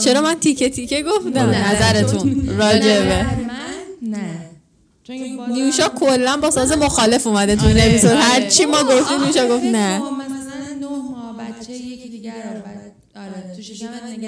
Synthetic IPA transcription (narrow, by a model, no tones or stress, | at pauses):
t͡ʃʰe̞ɾɒːmænt̪ʰicʰe̞t̪ʰicʰeɡo̞fd̪æmnæzæɾe̞t̪ʰunrɒːd͡ʒe̞be | niuuʃɒːkʰolːænbɒːsɒːze̞moxɒːle̞fumæd̪e̞t̪ʰuine̞pizo̞ɾhæɾt͡ʃʰimɒːɡo̞ft̪iːmniuːʃɒːɡo̞ft̪næ